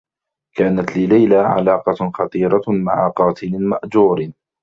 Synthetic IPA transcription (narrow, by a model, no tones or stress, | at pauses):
kaːnat̪lɪlajlaːʕa̰lɑːqɑxɑt̪ˤiːɾˤɑma̰ʕaqɑːt̪ʰɪlɪmaʔd͡ʒuːɾ